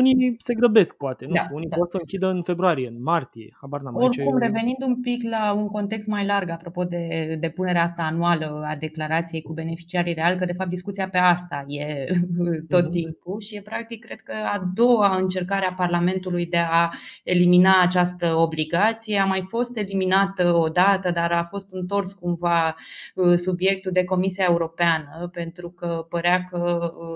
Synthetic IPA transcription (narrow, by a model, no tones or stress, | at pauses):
unise̞ɡɾəbe̞sk̚poat̪e̞nd̪aunivorsəɨŋkʲid̪əɨnfe̞bɾoaɾije̞ɨnmart̪ije̞̰abaɾnamorkumreve̞nind̪umpiklauŋko̞nt̪e̞kst̪majlarɡapɾo̞po̞d̪e̞d̪e̞puneɾeaast̪aːnualəad̪e̞klaɾat̪sije̞jkube̞ne̞fi̥t͡ʃiaɾire̞alkəd̪e̞fap̚t̪d̪iskut̪sijape̞ast̪aje̞ | t̪o̞t̪ːimpuʃijepɾak̚t̪ikːɾe̞d̪̚kəad̪o̞waɨnt͡ʃe̞rkaɾeaparlame̞nt̪ulujd̪e̞ae̞liminaːt͡ʃast̪əo̞bliɡat̪sije̞amajfo̞st̪e̞liminat̪əo̞d̪at̪əd̪aɾafo̞st̪ɨnt̪o̞rskumvaəsubjek̚t̪uld̪e̞ko̞misiae̞uɾo̞peanəpe̞nt̪ɾukəpəɾeakə